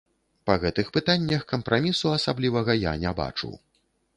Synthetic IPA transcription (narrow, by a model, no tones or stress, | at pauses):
pɐɣɛt̪ɨxpɨt̪anʲːɐxkɐmpɾʔamʲisuɐsablʲivɐɣɐja̰nʲɛba̰t͡ʂṵw